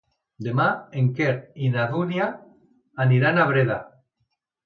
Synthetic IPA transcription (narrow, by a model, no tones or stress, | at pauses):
d̪emaeŋkeɾinaðunjaː | niɾanaβɾeða